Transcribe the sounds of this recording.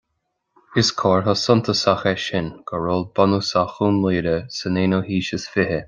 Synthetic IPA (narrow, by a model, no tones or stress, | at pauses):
ɪskʰɔːɹɦɔsʊnt̪ʰəsaxɛʃɪnɡ̥ʰəɹoːlbɔnusaxuːnleːɾəsəneːnohiːʃəsfɪhə